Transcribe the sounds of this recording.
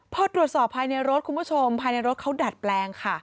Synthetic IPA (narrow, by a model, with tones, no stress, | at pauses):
pʰɔː˧t̪ɾu˨˩ət̪̚sɔː˨˩pʰːaː˧jna˧jɾo˦˥t̪̚ʰu˧nmpʰu˥t͡ɕʰo˧mpʰaː˧jna˧jɾo˦˥t̪̚kʰa˦˥wdaː˨˩t̪̚plɛː˧ŋkʰa˥˩